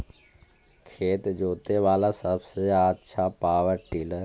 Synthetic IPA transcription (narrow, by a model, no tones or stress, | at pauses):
kʰeːt̪d͡ʒoːt̪eʋaːlasəbseaːtːʃʰapaːʋəɾʈiːləɾ